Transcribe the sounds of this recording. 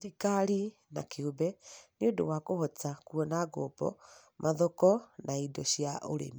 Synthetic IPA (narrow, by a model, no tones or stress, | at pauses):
ɾikaɾi | na̰keobɛniodowakohɔt͡sakuɔnaɡoːpɔ̰ | mʔaðɔkɔnaidɔɕjaʔoɾḛmi